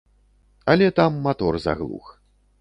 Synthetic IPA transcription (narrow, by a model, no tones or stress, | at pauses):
ɐlʲɛt̪amːat̪ɔrza̰ɣlˠṵx